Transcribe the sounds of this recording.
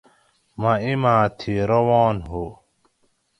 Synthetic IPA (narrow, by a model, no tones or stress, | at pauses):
maimãːt̪ʰiɾɐwɔːnɦo